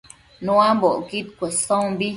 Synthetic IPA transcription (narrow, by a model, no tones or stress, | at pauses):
nũamboʔkit̪̚kʷesõmbi